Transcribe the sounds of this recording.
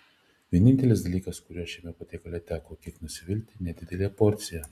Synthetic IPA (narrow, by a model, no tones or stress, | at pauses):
ʋʲiɛnʲɪnʲt̪ʲɛlʲɪsd̪ɐlʲiːkɐskʊɾʲuɔʃʲɛmʲɛpɐt̪ʲeːkɐlʲɛt̪ʲækoːkʲɪknʊsʲɪʋʲɪlʲt̪ʲɪnʲɛd̪ʲɪd̪ʲɛlʲeːpɔɾʲt̪sʲɪjɛ